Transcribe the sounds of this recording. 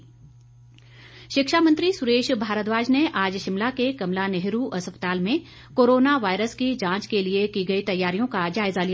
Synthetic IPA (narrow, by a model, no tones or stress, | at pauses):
ʃɪkʃamə̃nt̪ɾisʊɾeːʃbʱaːɾət̪ʋaːd͡ʒneʔaːd͡ʒʃɪmlakekɐmlanɛɦɾuʔɐspət̪aːlmẽ | koːɾoːnaʋaːɪɾəskid͡ʒãːt͡ʃkeliekiɡɐit̪ɐjːaːɾijõkad͡ʒaːɪzaːlij